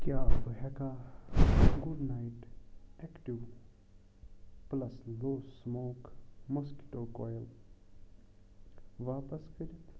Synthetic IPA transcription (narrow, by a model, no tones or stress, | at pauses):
kjaːbəɦɛka | ɡuɖnajʈɛkʈiʋ | plɐsloːsmoːkmɔski̥ʈoːkɔːjəl | ʋaːpəskəɾit̪ʰ